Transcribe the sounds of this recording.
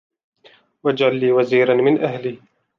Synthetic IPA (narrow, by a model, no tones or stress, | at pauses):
wad͡ʒʕalːiːwaziːɾanmɪnʔaɦliː